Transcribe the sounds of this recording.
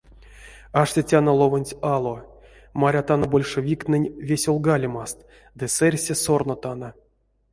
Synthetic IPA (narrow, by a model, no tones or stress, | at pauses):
aʂtʲetʲanolˠovonʲtʲalˠo | maɾʲat̪anobolʲʂevʲik̪nɨnʲvʲesʲolˠɡalʲimast̪ | d̪ɨsɛrʲsʲesornot̪ana